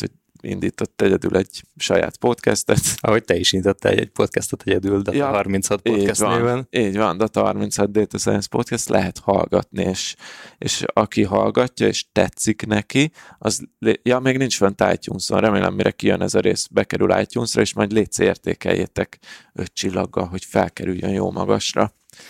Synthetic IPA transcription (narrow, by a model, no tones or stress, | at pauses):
hoɟ | ḭnd̪iːt̪o̞t̪ːɛɟɛd̪ylʔɛɟʃɒja̰ːt̪po̞t̪kɛst̪ɛt̪ɒɦo̞ct̪ɛiʃinit̪ot̪ːɛ̰ɛ̰ɟ̚po̞t̪kɛst̪ɛt̪ɛɟɛd̪yld̪ɒjɒɦɒrmintshɒt̪oiːɟɛsvɒevɛniːɟvɒnd̪ɒt̪ɒɦɒrmint̪shɒd̪d̪eːt̪ɒsɛɛnspo̞t̪kɛst̪lʔɛɦɛt̪hɒlɡɒt̪nieːʃeːʃɒkiɦɒlɡɒcːɒeːʃt̪ɛt̪siknɛkiɒzlejɒmeːɡnint͡ʃfønt̪aːjtuːnso̰nrɛmeːlʔɛ̰mːiɾɛkijønɛzɒɾeːsbɛkɛɾyla̰ːjt̪uːnsrɒeːʃmɒjd̪leːt̪seːrt̪eːkɛ̰jːeːt̪ɛkøtt͡ʃilːɒɡːɒlɦo̞cfɛlkɛɾyjønjo̰ːlmʔɒɡɒʃrɒ